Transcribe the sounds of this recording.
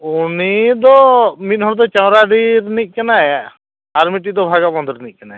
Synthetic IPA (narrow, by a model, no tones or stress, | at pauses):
unid̪ɔmit̪̚ˀɦɔɾd̪ɔt͡ʃawɾaɖiɾnic̚ˀkanaj | aɾmiʈid̪ɔbʱaɡabɔnd̪ɔɾnic̚kanaɛ